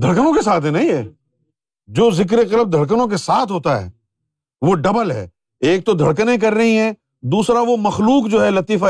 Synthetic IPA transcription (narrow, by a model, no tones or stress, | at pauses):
d̪ʱɐɽkənõkesaːt̪ʰɦɛnɐɦĩɦɛː | d͡ʒoːzɪk̬ɾeqɐləb̚d̪ʱɐɽk̬ənõk̬esaːt̪ʰɦoːt̪aɦɛ̰ː | ʋoɖɐbəlɦɛ̰ː | eːk̚t̪od̪ʱɐɽkənẽk̬ɐɾːɐɦĩɦɛː | d̪uːsɾaʋomɐxluːkd͡ʒoːɦɛlɐt̪iːfa